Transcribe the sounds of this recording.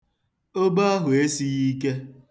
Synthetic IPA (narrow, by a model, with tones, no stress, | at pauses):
o˦ba˦a˦ɦʊ˨e˦si˦ɣi˦k̬e˦